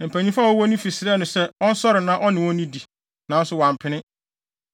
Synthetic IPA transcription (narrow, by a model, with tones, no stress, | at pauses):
m̩˨pʰæ˨ɲĩ˦fa˦˨ɔ˦wɔ˦nĩ˦fi˨sɪ˦ɾɛ˦nʊ̃˨sɛ˦ɔ˦n̩˦sɔ˦ɾɪ˨nã˦ʔɔ˦nɪ̃˨wɔ̃˦nĩ˦di˨ | nã˨n̩˦sʊ˦˨wã˨m˨pʰɪ˦nɪ̃˦